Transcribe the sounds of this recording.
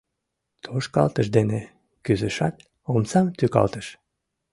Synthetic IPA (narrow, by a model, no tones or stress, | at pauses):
t̪ʰoʃkɑ̰lt̪əʃd̪ene | kyzəʃɑt̪̚ | omsɑmt̪ykɑ̰lt̪əʃ